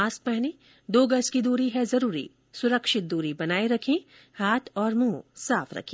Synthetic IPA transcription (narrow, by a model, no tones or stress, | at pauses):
aːsk̚pɛɦni | d̪oːɡɐskid̪uːɾiɦɛzɐɾuːɾḭ | sʊɾəkʃɪt̪̚d̪uːɾibɐnaːiɾɐkʰẽ | haːt̪ʰɔːɾmũːsaːfɾɐ̰kʰẽː